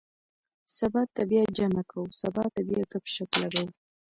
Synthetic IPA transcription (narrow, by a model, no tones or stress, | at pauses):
sabɑt̪ːabjɑd͡ʒamakʰawsabɑt̪abjɑkəpʃaklaɡaw